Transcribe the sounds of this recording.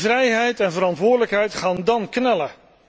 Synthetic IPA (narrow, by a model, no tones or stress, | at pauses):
vrɛjɦɛjtɛnvəɾɑntʋʊːɹdələkɦɛjtχaːndɑnknɛlə